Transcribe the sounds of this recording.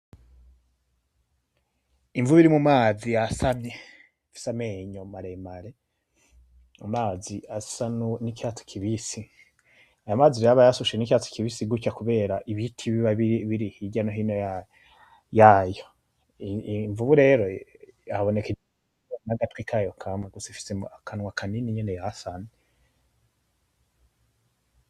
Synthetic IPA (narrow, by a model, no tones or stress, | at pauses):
iɱvuuβiɾimumaːzijasamɲe | fi̥sameːɲomaɾemaɾe | umaːziasanunikato̥kʰiβisi | ajamaːziɾiɾaβajasuʃenikaːto̥kiβisiɡut͡ʃakuβe̞ːɾaʔiβitʰiβiβaβiiβiɾihiɟanoɦiːnoja | jaːjo | ɱvuβuɾe̞ɾoaaβo̞neke | naɡatwikʰajokʰamweɡusifi̥seakʰanwakʰaniniɲenejasane